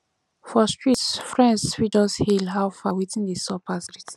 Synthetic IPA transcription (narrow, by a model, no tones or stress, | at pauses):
fɔstɹitsfɹɛ̃nswidɔshilɦawfawiðĩndisɔpʰasɹit